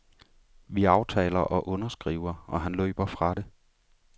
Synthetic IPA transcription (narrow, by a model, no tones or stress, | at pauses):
ʋiɑ̈ʊt͡sʰɛ̰ːlɐʔɒ̽ʔɔ̽nɐsɡ̥ʁiʊ̰ɐɒ̽ɦænlø̰ːb̥ɐfʁɑ̈ɾe̝